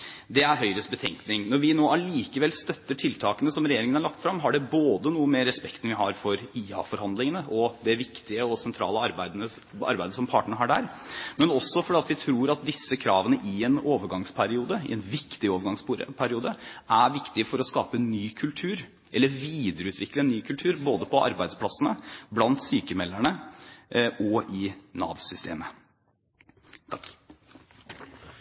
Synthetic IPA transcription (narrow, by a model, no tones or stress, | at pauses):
d̪ɛæɾɦœʏɾəsbət̪ʰɛ̰ŋknɪŋnɔɾʋɪnoːæɭiːkəʋɛlst̪œt̪ːəʈʰɪlt̪ʰɑːkənəsɔmɾɛjeːɾɪŋənæɭɑkt̪fɾɑmːɦɑɖɛboːd̪ənuːəmɛɾɛspɛkt̪n̩ʋɪɦɑɾfɔɾiːɑ̰fɔɾhɑnd̪lɪŋənəʔɔd̪ɛʋɪkt̪ɪəɔsɛnt̪ʰɾɑ̰ːləɑɾbæɪə | ɑ̰ɾbæɪd̪əsɔmpʰɑ̰ːʈɳəɳəɦɑɖæ̰ːɾmɛnɔsːɔfɔɖɛːɑt̪ʋɪt̪ʰɾuːɾɑt̪̚d̪ɪsːəkʰɾɑːʋənəʔɪɛnoːʋəɾɡɑŋspʰæɾɪuːd̪əɪ̰ɛnʋɪkt̪ɪoːʋəɾɡɑŋsɾpʰæɾɪuːd̪əʔæɾʋɪkt̪ɪəfɔɾɔskɑ̰ːpənyːkʰʉlt̪ʰʉːɾ | ʔɛlːəɾʋiːd̪əɾəʉːt̪ʰʋɪkːləɛnːyːkʰʉlt̪ʰʉːɾboːd̪əpʰɔʔɑ̰ɾbæɪspʰlɑsənəblɑnt̪syːkəmɛlːæɳə | ʔɔɪnɑ̰ːʋsʏst̪ʰḛːmə